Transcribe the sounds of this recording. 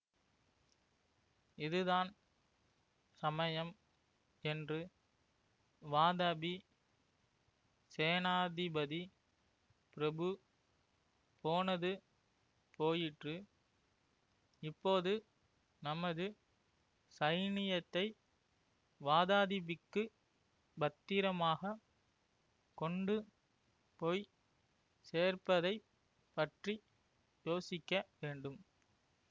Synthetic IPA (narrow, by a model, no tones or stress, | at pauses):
ɪðɯðaːn | sɐmɐjɐm | ɛndrɯ | ʋaːðaːbi | seːnaːðɪbɐði | pɪɾɐbɯ | poːnɐðɯ | poːjɪʈrɯ | ɪpːoːðɯ | nɐmɐðɯ | sɐɪnɪjɐt̪ːɐɪ | ʋaːðaːðɪbɪkːɯ | bɐt̪ːiːɾɐmaːɣɐ | kɔɳɖɯ | poːj | seːrpɐðɐɪ | pɐʈri | joːsɪkʲːɐʋeːɳɖɯm